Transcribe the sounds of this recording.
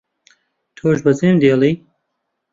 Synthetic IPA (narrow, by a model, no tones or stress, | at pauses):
t̪ʰoːʒbɐzeːmd̪eːlˠiː